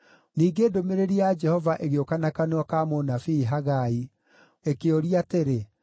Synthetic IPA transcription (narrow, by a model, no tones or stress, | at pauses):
niːɡeːdomeɾeɾiad͡ʒɛhɔvaʔeɣeokanakanɔkamonafiːɦaɣai | ekeoɾiateɾe